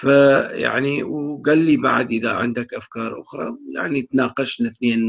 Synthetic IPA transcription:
faja̰ʕniwɡalːiba̰ʕd̪ʔɪðaʕɪ̰nd̪akʔafkɑːɾˤʔʊ̰xɾˤɑ̰ja̰ʕnit̪nɑːqɑʃnaθneːn

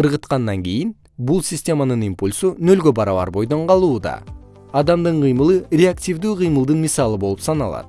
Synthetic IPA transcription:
ɯɾʁət̪qɑnd̪ɑŋɡʲejin | bulˠsʲisʲtʲe̞mɑnɯnimpulʲsunø̞lɡʲø̞bɑɾɑβɑ̰ɾbo̞jd̪o̞ɴqɑlˠuːd̪ɑ̰ | ɑd̪ɑmd̪ɯɴqɨjmɯlˠɯɾʲeaktʲivd̪yːqijmɯlˠd̪ɯnmʲisɑlˠɯbo̞lˠupsɑnɑ̰lˠɑ̰d̪

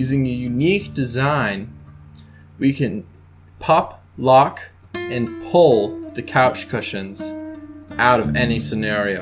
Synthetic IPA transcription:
ʉzɪ̃ŋɨjʉnik̚d̥ɨzãɪ̃n | wikɨ̃n | pʰɑp | lɑk | ɨ̃npʰʊlˠðɨkʰaʊt͡ʃkʰʊʃɨ̃nz̥ | ʔaʊɾʌvɛnisɨnɛɹioʊ

